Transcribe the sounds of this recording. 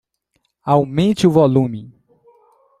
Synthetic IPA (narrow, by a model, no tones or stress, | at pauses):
awmẽnt͡ʃɪʊvɔlũmɪ